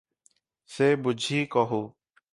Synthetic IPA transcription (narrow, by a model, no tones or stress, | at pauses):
seːbʊd͡ʒʱiːkɔɦuː